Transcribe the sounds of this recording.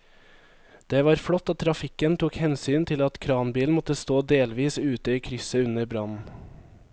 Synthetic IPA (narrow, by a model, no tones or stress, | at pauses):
d̪̥eːʋɑːɾfɽɔt̪ːɔːt̪ʰɾɑfɪkənt̪ʰuːkhɛnsyːnt̪ʰɪlɑt̪kʰɾɑːnbiːln̩mɔt̪əst̪oːd̪eːlʋiːsʉːt̪əiːkʰɾʏsəʉnəɾbɾɑnn̩